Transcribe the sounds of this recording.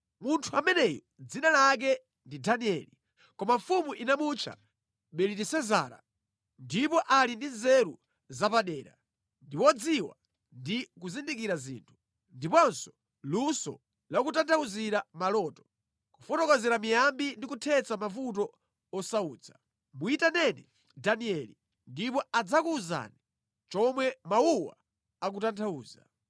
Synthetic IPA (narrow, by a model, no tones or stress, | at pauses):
muntʰuamɛnɛjɔ | d͡zinalak̬ɛ | ndidaniɛ̰li | kɔmaɱfumuʔinamut͡ʃʰa̰ | ɓɛlitisɛza̰ːɾa̰ | ndipɔʔalindinzɛɾu | zapaɗɛːɾa̰ | ndiwɔd͡ziwa̰ | ndikuzindikiɾazḭːntʰu̥ | ndipɔnsɔ̥ | lusɔ̰ | lakutantʰauziɾamalɔːtɔ̥ | ku̥fɔtɔkɔzɛɾamijambindikutʰɛt͡samafut̬ɔ | ɔsauːd͡zʰḁ̰ | muitanɛnɛ | daniɛli | ndipɔad͡zakuːza̰ːni | t͡ʃɔmwɛmauwa̰ | akutantʰauːza̰